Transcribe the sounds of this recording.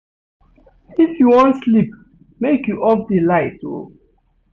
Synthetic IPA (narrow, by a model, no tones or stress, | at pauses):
ifjuwɔ̃ntslip̚ | mekjuʔɔp̚dilaɪto̰